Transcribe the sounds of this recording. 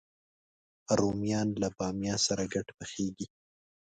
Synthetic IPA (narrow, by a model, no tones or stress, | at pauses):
ɾomijɑnlabɑmjɑsaɾaɡaʈpəxeɡi